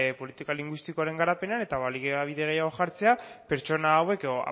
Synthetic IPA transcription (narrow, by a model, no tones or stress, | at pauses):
po̞lit̪ikaliŋɡwist̪ikoaɾe̞ŋɡaɾape̞neane̞t̪aβaliɣeaβ̞iðe̞ɣejaɣoxaɾt͡se̞ape̞ɾt͡ʃo̞naːwe̞koa̰